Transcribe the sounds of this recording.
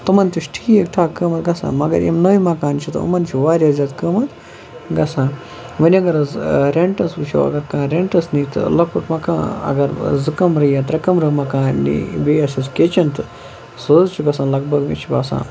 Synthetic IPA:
t̪ɐmɐnt̪iʃʈʰi̥ːjekʈʰaːkəmɐt̪ɡɐsã̰ːmɐɡɐ̰ɾjḛmnɐimɐkaːnt͡ʃʰit̪ɐṵmɐnt͡ʃʰiʋaːɾʲjazʲjaːt̪kəːmɐt̪ | ɡɐsãː | ʋɐnʲiɐɡɐɾɐzɾeɳʈɐsut͡ʃʰɐ̰ʋɐ̰ɡɐɾkãːɾeɳʈɐsnit̪ɨ̰lɐk̚puʈmɐkã̰ːɐ̰ɡɐɾzɨkɐmɾɨjãːt̪ɾɐkɐmɾɨmɐkãːnḭbeɐsɐskʲet͡ʃɐnt̪ɨ | soːd͡zt͡ʃʰuɡɐsãːlɐɡ̚bɐɡmḭt͡ʃʰiba̰ːsã̰ː

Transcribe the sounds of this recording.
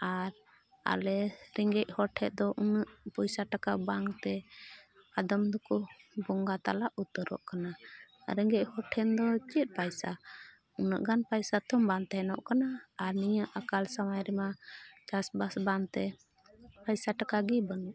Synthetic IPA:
aɾ | a̰lɛɾɛŋɡɛc̚hɔʈʰɛʔ̪̚d̪ɔʔunəʔpɔjsaʈakabaŋt̪ɛ | ad̪əmd̪ɔkubɔŋɡat̪a̰laʔut̪əɾɔ̰ʔkanaɾɛŋɡɛc̚hɔʈʰɛnd̪ɔt͡ʃət̪̚ˀpajsa | unə̰ʔɡanpajsat̪ʰɔmbant̪ɛɦɛnɔ̰ʔkanaːɾnijəʔakalsamajɾɛmat͡ʃasbasbant̪ɛ | pajsaʈakaɡibənuʔ

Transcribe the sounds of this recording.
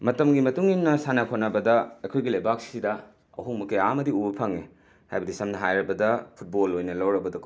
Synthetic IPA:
mɐtɐmɡimɐtuŋinːɐsanɐkʰonɐbɐdɐɐjkʰojɡilɐjbak̚sidɐ | ɐ̰ɦuŋmɐkeaɐmɐdiubɐpʰɐŋe | ha̰jbɐdisɐmnɐɦajɾɐbɐdɐpʰut̚bolːojnɐlɐwɾɐbɐdɐkʰ

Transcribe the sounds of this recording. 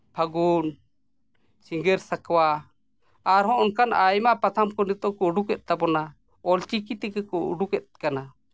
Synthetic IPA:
pʰaɡun | t͡ʃiŋɡɛɾsakwaː | ɾɦɔ̃ʔəŋkanajmaʔpat̪ʰamkɔnit̪ɔʔkɔuɖukɛt̪̚ˀt̪abɔna | ɔlt͡ʃikit̪ɛɡɛkɔṵɖukɛt̪̚kana

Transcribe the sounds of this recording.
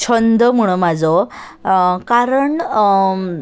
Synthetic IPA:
t͡ɕʰənd̪ʱəmuɽ̃əmad͡zɔ | kaɾəɳ

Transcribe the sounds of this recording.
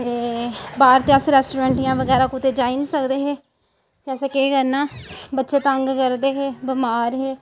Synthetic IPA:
eːbaːɾt̪eːəsɾɛːsʈuːɾɛ̃ːɳʈijãːʋəɡɛːɾaːkʊt̪eːd͡ʒaːinĩːsəkd̪eːɦeː | pɛːseːkeːkəɾnaːbətːʃeːt̪əŋɡkəɾd̪eːɦeːbəmaːɾɦeː

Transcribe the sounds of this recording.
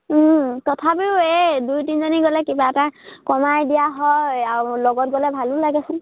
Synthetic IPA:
tɔtʰapiʊedujtinzɔniɡɔlɛkibaɛtakɔmajdijaɦɔjalɔɡɔt̚ɡɔlɛbʱalʊlaɡɛsɪ

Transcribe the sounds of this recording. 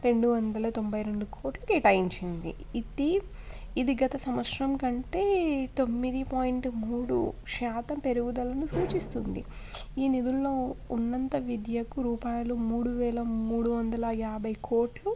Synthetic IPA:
ɾe̞ɳɖuʋɐnd̪ɐlɐt̪o̞mbɐjɾe̞ɳɖukʰo̞ːʈlukiːʈɐjiɲt͡ʃind̪ḭ | it̪i | id̪iɡɐt̪ɐsɐmɐʂɾɐmkɐɳʈe̞ːt̪o̞mːid̪ipaːjiɳʈmuːɽṵʃaːt̪ɐmpe̞ɾuɡud̪ɐlɐnusuːt͡ʃist̪und̪ḭiːnid̪ulːo̞ːunːɐnt̪ɐʋid̪jɐkuɾuːpaːjɐlumuːɽuʋɛːlɐmuːɽuʋɐnd̪ɐlɐjaːbɐjkʰo̞ːʈlu

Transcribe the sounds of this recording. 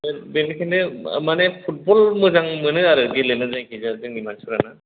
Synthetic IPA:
benkʰindɯmanɛpʰut̚bɔlmɯzaŋmɯnɯaɾɯɡilɯnɯzajkizazɯŋimansʰuɾana

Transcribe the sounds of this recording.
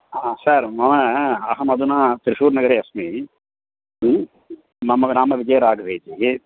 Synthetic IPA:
asaɾmɐmɐɐɦɐmɐd̪unaːt̪ɪɾɪʂuːɾnɐɡɐɾeɐsmi | nɐmːɐnaːmɐʋɪd͡ʒɐjɐɾaːɡɐʋeːd͡ʒi

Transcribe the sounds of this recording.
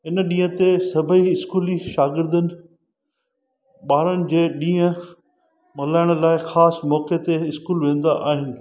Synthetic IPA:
ɪnɗĩːɦə̃t̪esɐbʱəiɪskuːliʃaːɡɪɾd̪ənɪ̆ | ɓaːɾənɪ̆d͡ʑeːɗĩːə̃ | mɐlaːɪɽ̃laːɪxaːsmɔːket̪eɪskuːlʋẽːn̆d̪aʔa̰ːɦɪnɪ̆

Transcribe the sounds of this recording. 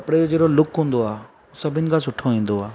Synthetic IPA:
ɐpɽed͡ʒod͡ʒeːɽolʊkɦũːnd̪oaː | ʊsɐbʱɪnɪkasʊʈʰːoĩːnd̪oaː

